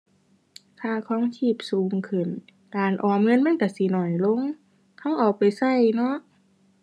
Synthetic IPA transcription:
kʰaː˧˩kʰɔː˧˥˨ŋt̪ʰiː˧˩p̚suː˨˩ŋkʰɯ˧˨˩n | laː˨˩nʔɔː˨˩ŋɤ˧˥˨nma˧˥˨nka˧˩si˧˦nɔ˨˩jlo˧˨ŋ | kʰa˧˥˨wʔa˨˩wpa˨jsa˧˩˨jnɔ˧˥˦ʔ

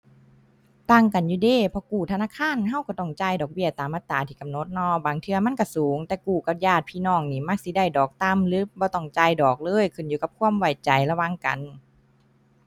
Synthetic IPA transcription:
t̪aː˧˩˨ŋka˨njuː˧˩deː˧˩˨pʰɔː˧kuː˧˨˩t̪ʰa˧naː˧˥˨kʰaː˧˥˨nɦa˧˥˨wkɔː˧˩t̪ɔ˧˩ŋt͡ɕaː˧˩jdɔː˨˩k̚bi˧˥˩ɐt̪aː˨˦mːa˧t̪ːaː˨˦t̪ʰiː˧˩ka˨mno˧˦t̪̚nɔː˧˩baː˨˩ŋt̪ʰɯ˧ɐma˧˥˨nka˧˩suː˨˦ŋt̪ɛː˧˩kuː˧˨˩ka˧p̚jaː˧˩t̪̚pʰiː˧˨nɔː˧˩ŋniː˧˩ma˧˩k̚si˧˦da˧˩jdɔː˨˩k̚t̪a˧˥˨mlɯː˧˦p̚bɔː˧˦t̪ɔ˧˩ŋt͡ɕa˧jdɔː˨˩k̚lɤː˧˥˨jkʰɯ˧˩˨njuː˧ka˧p̚kʰu˧˨əmwa˨˩jt͡ɕa˨˩jla˧wa˧˥˨ŋka̰˨n

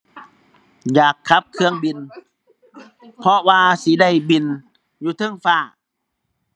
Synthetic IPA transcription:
jaː˨˩kʰːa˧˦˥p̚kʰɯ˧əŋbi˧n | pʰɔ˧ʔwaː˧si˨˦da˧˩jbi˧n | juː˧t̪ʰɤ˧˩˨ŋfaː˧˩

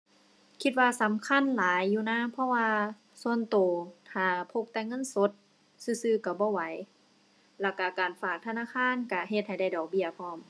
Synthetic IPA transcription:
kʰi˧t̪̚waː˧sa˨˦mkʰa˧˥˨nlaː˨˦jːuː˧˩naː˧˥˨pʰɔ˧˥˨waː˧ | su˧˨ə˨nt̪oː˨˩t̪ʰaː˨˩pʰo˧p̚t̪ɛː˧˨ŋɤ˧˥˨nso˧˦t̪̚ | sɯː˧˩sɯː˧˩ka˧˩bɔː˧˦wa˨˦j | lɛ˧˩ka˧˩kaː˨˩nfaː˧˩k̚t̪ʰa˧naː˧˥˨kʰaː˧˥˨nka˧˩ɦe˧t̪̚ha˨˩jda˧˩jdɔː˨˩k̚bi˧˩ɐpʰɔː˧˥˨m

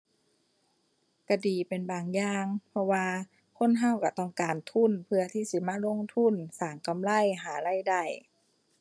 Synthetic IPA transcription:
ka˧diː˨˩pe˨nbaː˨ŋjaː˧ŋpʰɔ˧waː˧ | kʰo˧˥˨nɦa˧˥˨wka˧˩t̪ɔ˧˩ŋkaː˨nt̪ʰu˧˥˨npʰɯ˧ɐt̪ʰiː˧˩si˧˦maː˧˥˨lo˧˥˨ŋt̪ʰu˧˥˨nsaː˨˩ŋka˨mla˧˥˩jɦaː˨˩˦la˧˥˨jda˧˩j

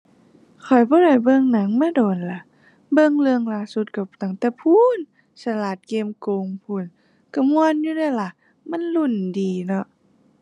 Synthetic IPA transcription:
kʰɔ˨˩jbɔː˧˦ɾa˨˩jbɤ˧˨ŋna˨˦ŋmaː˧˥˨doː˨˩nla˧˦ | bɤ˧˨ŋlɯ˧əŋlaː˧˦su˧˦t̪̚ka˧˩t̪a˧˩ŋt̪ɛː˧˩pʰuː˧˨n | sa˧laː˨˩t̪̚keː˧˨mkoː˧ŋpʰuː˧˩˨n | ka˧˩mu˧ənjuː˧˨daː˧˩jla˧˩ | ma˧˥˨nlu˧˩˨ndiː˨˩nɔ˧ʔ

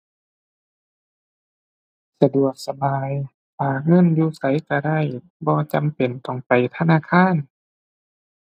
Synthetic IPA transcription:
sa˧du˨˩ək̚sa˧baː˨˧j | paː˨˩ŋɤ˧˥˨njuː˧˩sa˨˦jka˧˩da˧˥˩j | bɔː˧t͡ɕa˨mpe˨˩nt̪ɔ˧˩ŋpa˨˩jt̪ʰa˧˨naː˧˥˨kʰaː˧˥˨n

